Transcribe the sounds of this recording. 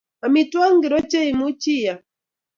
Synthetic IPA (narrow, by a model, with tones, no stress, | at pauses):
a˨mi˨twa˦ŋɡi˨ɾɔ˦t͡ʃe˦i˨mu˦t͡ʃi˦˨ja˨